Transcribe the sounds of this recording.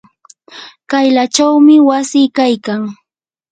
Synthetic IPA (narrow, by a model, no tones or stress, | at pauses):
kajlat͡ʃawmɪwasɪkajkaŋ